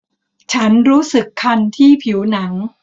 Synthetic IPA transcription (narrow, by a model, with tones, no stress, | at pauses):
t͡ɕʰa˦˥nɾuː˦˥sɯ˨˩kʰːa˧nt̪ʰiː˥˩pʰi˩˦wna˩˦ŋ